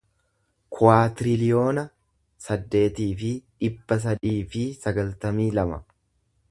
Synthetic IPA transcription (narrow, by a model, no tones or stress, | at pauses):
kʰʊaːt̪ɪɾɪlɪjo̞ːnɐ | sɐd̪ːe̞ːt̪iːfɪᶑɪbːɐs̬ɐd̪iːfɪsɐɡɐlt̪ɐmiːlɐmɐ